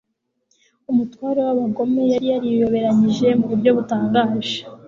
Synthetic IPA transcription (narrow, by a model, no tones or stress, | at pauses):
umutwaːɾewaβaɡo̞me̞jaɾijaɾijo̞βe̞ɾaɲiʒe̞muβuɾɟo̞βutaːŋɡaːʒḁ